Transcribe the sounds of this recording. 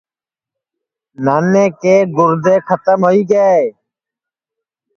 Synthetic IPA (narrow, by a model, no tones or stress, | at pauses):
naːneːkeːɡʊɾd̪eːkʰət̪əmɦoːiːɡəeː